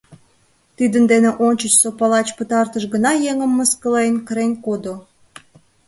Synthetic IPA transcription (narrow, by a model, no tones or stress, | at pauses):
t̪id̪ənd̪eneʔonʲt͡ɕət͡ɕsopɑlɑt͡ɕpət̪ɑrt̪əʃɣənɑjeŋəmːəskəlejnkəɾenʲkod̪o